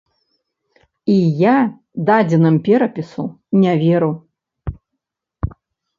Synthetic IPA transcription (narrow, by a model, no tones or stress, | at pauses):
ija | d̪ad͡zʲɛnɨmpʲɛɾɐpʲisunʲavʲɛɾu